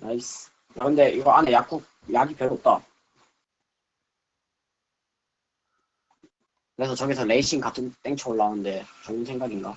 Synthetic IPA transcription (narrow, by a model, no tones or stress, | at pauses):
ais | akʰɯnde̞iɡʌanejak͈ok̚ | jaɡipjʌɭːop̚t͈a | kɯɾe̞sʰʌt͡ɕʌɡisʰʌle̞iɕ͈ʰiŋkatʰɯnt͈eŋt͡ɕʰʌuɭːanɯnde̞t͡ɕoɯnsʰe̞ŋɡaɡinɡa